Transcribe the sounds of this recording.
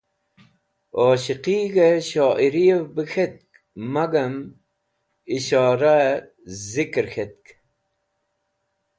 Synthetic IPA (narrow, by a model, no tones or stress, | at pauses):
oːɕiqiːɣeɕɑːʔiɾijevbixʰet̪̚k | mɐɡɐm | iɕɑːɾa | zikɾxʰet̪̚k